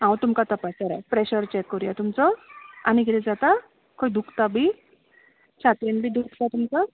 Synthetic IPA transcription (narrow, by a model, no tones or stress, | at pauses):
ɦãwt̪umkat̪əpasaɾapɾeɕəɾt͡ɕɛkːɔɾujat̪umt͡sɔaniɡeled͡zat̪a | kʰoid̪ʱukt̪abʱi | t͡ɕʰat̪enbʱiːd̪ukt̪at̪umt͡sa